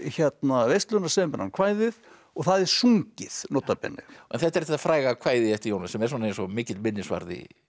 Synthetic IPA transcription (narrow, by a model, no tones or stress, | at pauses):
çɛt̪navejst̪lœnḁɾsɛmpɛnːankʰv̥aːjðɪð | ɔɣθaðɛɾ̥suŋcɪθnot̪ːapɛ̰nːɪ̰ɛnθɛht̪ːɛɾθɛ̥t̪afɾaːjɣakʰvaːjðɪɛft̪ɪɾjoːwnasɛmɛɾs̬ɔnaejnsɔmɪːcɪt̪lmɪnːɪsva̰ɾðḭ